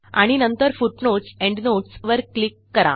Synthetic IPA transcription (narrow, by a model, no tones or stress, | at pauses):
a̰ɽ̃inənt̪əɾfuʈnoʈsɛ̃ɳɖnoʈsʋəɾklikːəɾa̰